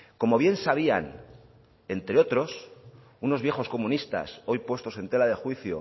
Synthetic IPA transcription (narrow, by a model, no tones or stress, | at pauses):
ko̞mo̞βje̞nsaβ̞ia̰n | e̞nt̪ɾeo̞t̪ɾo̞s | uno̞zβje̞xo̞sko̞mũnist̪a̰so̞jpwe̞st̪o̞se̞nt̪e̞laðe̞xwiθjo̰